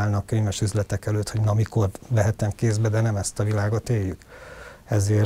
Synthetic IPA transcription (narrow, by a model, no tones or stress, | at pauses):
aːlnɒkːøɲvɛʃyzlɛt̪ɛkɛløːt̪ho̞ɟnɒmiko̞rvɛɦɛt̪ɛmkeːzbɛd̪ɛnɛmɛst̪ɒvilaːɡo̞t̪eːjːykɛzeːr